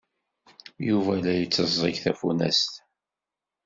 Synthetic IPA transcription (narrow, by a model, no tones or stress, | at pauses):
juvælæjət͡sːəzˤiʝθæfunæ̰st̪